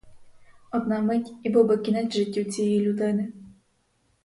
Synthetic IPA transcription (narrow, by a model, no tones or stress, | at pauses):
ɔd̪namɪtʲibʊbɪkʲinatʲʒɪtʲːut͡sʲijjilʲud̪ɪnɪ